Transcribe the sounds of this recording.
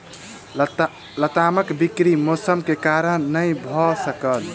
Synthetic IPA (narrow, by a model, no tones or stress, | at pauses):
lət̪aməkbikɾimosəmkekaɾənnəjbʱɔsəkəl